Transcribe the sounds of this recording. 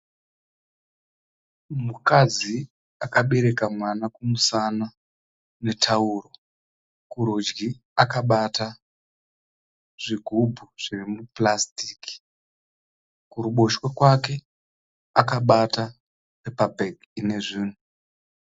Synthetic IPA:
mukad͡zi | akaɓe̞ɾe̞kamwanakumusana | ne̞tʰauːro̞ | kuɾod͡ʒɡi | akaɓata | ʐ̥iɡʱubʱuʐ̥irimuplastiki̥ | kuɾuɓo̞ʃwekwake̞ | akaɓata | sepabʱeɡ | ine̞ʐiːnu

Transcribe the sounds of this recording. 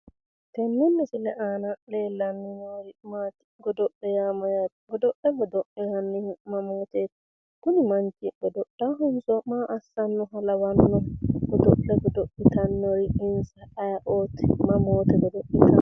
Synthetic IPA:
tɛnːunːisilɛʔanalɛlanːinoɾimat̪i̥ɡɔdɔɗːɛjamajatɡɔdɔɗːɛɡɔdoɗːihanːihmamɔːt̪ɛt | kunimaɲd͡ʒiɡɔdɔɗaɦunsɔmaʔasːanːɔɦalawanːɔɡɔdɔɗɛɡɔdoʔːit̪anːoɾiinsaaʔɔːtʰɛmamɔːt̪ɛɡɔdoɗːitʰa

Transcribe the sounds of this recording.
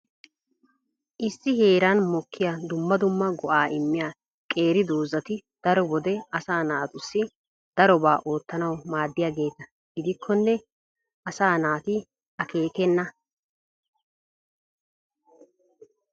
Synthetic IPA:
ʔɪsːɪhe̞ːɾanmɔkʰːɪjad̪ʊmːɐd̪ʊmːɐɡɔʔaːʔɪmːɪjaː | kʼe̞ːɾɪd̪oːzɐt̪ɪd̪̥ɐɾɔbɔd̪ɛɐsaːnaːt̪ʊsːɪ | d̪̥ɐɾɔbaːʔo̞ːt̪ːɐnɐwmaːd̪ːɪjaːɡe̞ːt̪ɐ | ɡ̥ɪd̪ɪkʰːɔnːɛ | ʔɐsaːnaːt̪ɪ | ʔɐke̞ːk̪ɛnːɐ

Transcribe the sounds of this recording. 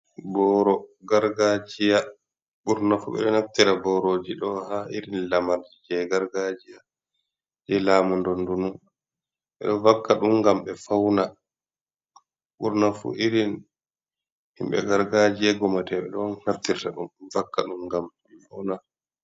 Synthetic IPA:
bɔɾɔɡaɾɡad͡ʒija | ɓuɾnafṵɓɛ̰ɗɔnaft̪iɾabɔɾoːd͡ʒiɗɔhaʔiɾinlamaɾd͡ʒid͡ʒɛɡaɾɡad͡ʒija | d͡ʒɛlaːmundɔndunun | ɓɛ̰ɗɔvakːaɗumɡambɛfawna | ɓuɾnafṵʔiɾin | hḭmɓɛ̰ɡaɾɡad͡ʒijɛɡɔmatɛɓɛ̰ɗɔnhaɾtiɾtaɗumvakːaɗumɡam | fawna

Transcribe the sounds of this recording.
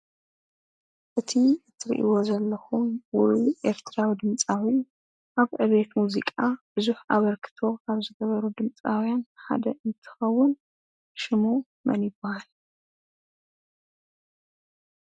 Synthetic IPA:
ʔɨt̪ʰizɨt̪ʰːɨɾḭʔḭwo̞zɐlːɐxumwɔjʔe̞ɾt̪ʰɾawid̪ɨmt͡sʼawi | ʔaβʕɨdet̪muzikʼab̥ɨzuħʔaβɐɾkʰɨ̥t̪ʰo̞ʔaβzɨɡɐβɐɾud̪ɨmt͡sʼawjanħa̰d̪ɐʔɨnt̪ʰɨ̥xɐwːʊn | ʃɪmo | mɐ̰njɪbːahal

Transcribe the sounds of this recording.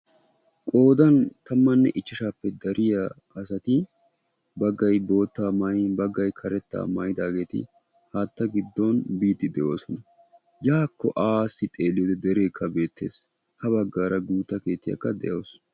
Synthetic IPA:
kʼo̞ːd̪ɐnt̪ɐmːɐnːɛʔɪt͡ʃːɪʃaːpːɛd̪ɐɾʔɪjakʼɐsɐt̪ɪ | bɐɡːɐjbo̞ːt̪ːaːmɐjbɐɡːɐjkʰɐɾɛt̪ːa̰ːmɐjɪd̪aːɡe̞ːt̪ɪ̰ | haːt̪ːɐɡɪd̪ːonbiːt̪ːɪd̪ɛʔo̞̰ːsɔnɐ | jaːkːɔʔaːsːɪt̪ʼe̞ːlɪjoːd̪ɛd̪ɛɾe̞ːkʰːɐbe̞ːt̪ːe̞̰ːs | hɐbɐɡːaːɾɐɡuːt̪ːɐke̞ːt̪ːɪjɐ̰kːɐd̪ɛʔoːs

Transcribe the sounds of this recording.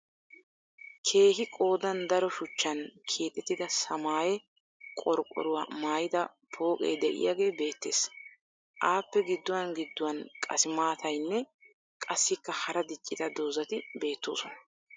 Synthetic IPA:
kʰe̞ːɦɪkʼo̞ːd̪ɐnd̪ɐɾɔʃʊt͡ʃːɐnkʰeːt̪ʼːɛt̪ːɪd̪ɐsɐmaːjɛ | kʼɔɾkʼːɔ̰ɾʊwaːmaːjɪd̪ɐ | pʰo̞ːkʼɛ̰jd̪ɛʔɪ̰jaːɡe̞ːbe̞ːt̪ːḛːs | ʔaːpːɛɡɪd̪ːʊwɐnɡɪd̪ːʊwɐnkʼɐ̰sɪmaːt̪ɐjnːɛ | kʼɐsːɪkːɐhɐɾɐd̪ɪt͡ʃʼːɪt̪ɐd̪oːzɐt̪ɪbe̞ːt̪ːo̰ːsɔnɐ̥

